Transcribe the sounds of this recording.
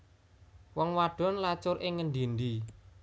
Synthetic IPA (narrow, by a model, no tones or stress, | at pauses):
wɔŋwaɖ̥ɔ̤nlat͡ʃʊɾʔɪŋːənd̪ind̪i